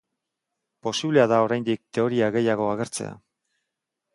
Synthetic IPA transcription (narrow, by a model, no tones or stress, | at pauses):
po̞siβle̞aðao̞ɾajnd̪ik̚t̪e̞o̞ɾiaɣe̞jaɣ̞o̞aɣ̞e̞ɾt͡se̞̰a̰